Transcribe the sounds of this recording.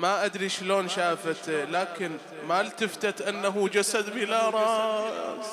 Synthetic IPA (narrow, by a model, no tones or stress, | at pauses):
maʔad̪ɾiʃloːnʃaːfat̪laːkɪn | malt̪ɪft̪at̪ʔɪnːaɦud͡ʒasad̪bɪlaɾˤɑːs